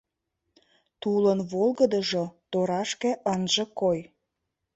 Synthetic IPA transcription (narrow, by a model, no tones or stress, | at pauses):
t̪ulənβolɣəd̪əʒot̪oɾɑʃkĕʔənʒə̆koj